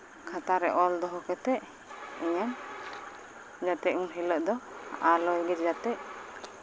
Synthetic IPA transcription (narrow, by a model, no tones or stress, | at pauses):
kʰat̪aɾɛ̰ʔɔld̪ɔɦɔkɛt̪ɛʔ | iɲan | d͡ʒat̪ɛʔmunɦiləʔd̪ɔa̰ʔalɔjɡɛd͡ʒd͡ʒat̪ɛʔ